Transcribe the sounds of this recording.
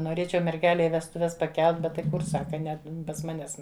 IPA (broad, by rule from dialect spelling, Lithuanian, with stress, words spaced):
noːˈrʲeːt͡ʃʲɛʊ mʲɛrʲˈɡʲæːlʲɛɪ ʋʲɛstʊˈʋʲɛs pɐˈkʲɛlˠt ˈbʲɛt tɐɪ ˈkʊr ˈsɑːkɐ ˈnʲɛ pɐs ˈmɑːnʲɛs